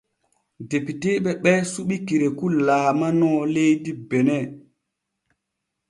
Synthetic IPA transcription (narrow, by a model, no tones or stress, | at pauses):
depiteɓɛɓɛsuɓikiɾekulaːmanɔːlejdibɛnɛ